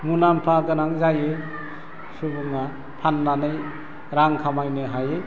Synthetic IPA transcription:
munampʰaɡɯnaŋzaje | subuŋa | pʰanːanɯj | ɾaŋkʰamajnɯɦaje

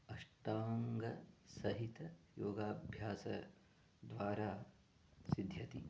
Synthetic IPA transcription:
ɐʂʈaːŋɡɐsɐɦit̪ɐjoːɡaːbʱjaːsɐ̰ | d̪ʋaːɾaː | sid̪ʱjɐt̪i

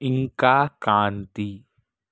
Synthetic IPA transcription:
ɪŋkakãːnt̪iː

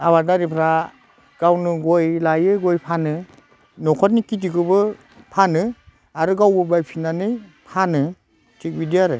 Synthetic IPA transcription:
abadaɾipʰɾa | ɡ̥awnɯɡojlajɯɡojpʰanɯ | nɔkʰɔt̚nikit̬ikɯbɯ | pʰanɯ | aɾɯɡawbɯbajpʰinanɯjpʰanɯ | tik̚bidiaɾɯ

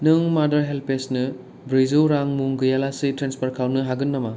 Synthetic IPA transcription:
nɯŋmadɐɾɦelpesnɯ | bɾizuwɾaŋmuŋɡɯjalasitɾenspɐɾkʰawnɯɦaɡɯnːɐmɐ

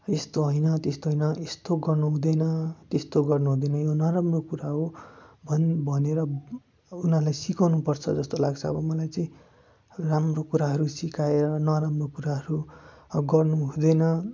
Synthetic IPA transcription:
est̪oɦʌjnʌt̪est̪oɦʌjnʌest̪oɡʌrnuɦũd̪ʌjnʌt̪est̪oɡʌrnuɦũd̪ʌjnʌjonʌɾamrokuɾaɦobʱʌnbʱʌneɾʌ | unalajsikawnupʌrt͡sʰʌd͡zʌst̪olaɡt͡sʰʌːbʌmʌlajt͡sʌĩ | ramrokuɾaɦʌɾusikaeɾʌnʌɾamrokuɾaɦʌɾuɡʌrnuɦũd̪ʌjnʌ

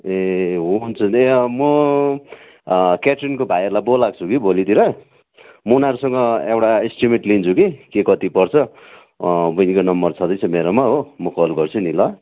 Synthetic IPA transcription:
eɦunt͡sʰunemʌ | keʈrinkobʱajerlajbolːaɡ̚t͡sʰukibʱolit̪iɾʌ | munaɾusʌŋɡʌewʈaisʈimiʈlint͡sʰukikekʌt̪ipʌrt͡sʰʌ | bʌnikonʌmbʌrt͡sʰʌd̪ʌjt͡sʰʌmeɾomaɦomʌkʌlɡʌrt͡sʰunilʌ

